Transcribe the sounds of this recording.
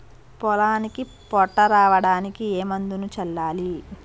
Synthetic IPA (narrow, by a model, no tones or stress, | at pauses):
pɔlaːniki | pɔʈːɐɾaːʋɐɽaːnikieːmɐnd̪unut͡ʃɛlːaːli